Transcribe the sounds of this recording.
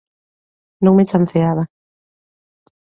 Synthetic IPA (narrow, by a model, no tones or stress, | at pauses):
nõŋmet͡ʃanθeaβa